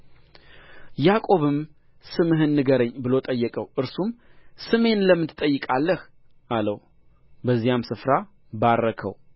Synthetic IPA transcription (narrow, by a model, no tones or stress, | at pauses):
jakʼo̞βɨm | sɨmɨɦɨnːɨɡəɾəɲːbɨlo̞t̪ʼəjːəkʼəwʔɨɾsumsɨme̞nləmːɨt̪ʼəjːɨkʼalːəh | alə̰w | bəzːijamsɨfɾa | baɾːəkʰə̰w